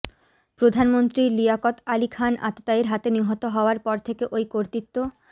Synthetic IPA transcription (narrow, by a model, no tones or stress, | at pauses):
pɾod̪ʱanmont̪ɾiliakot̪alikʰanʔa̰t̪ːot̪aiɾɦat̪eniɦɔt̪oɦɔoaɾpɔɾt̪ʰekeʔojkoɾt̪it̪ːo